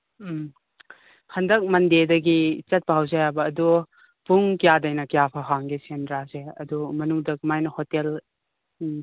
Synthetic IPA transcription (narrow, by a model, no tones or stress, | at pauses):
hʰɐndɐk̚mɐndedɐɡit͡ʃɐt̚bʱawzajabɐːdu | puŋkijadɐjnɐkijapʰɐɦaŋɡisendɾazeɐ̰dumɐnuŋdɐkmajnɐhotel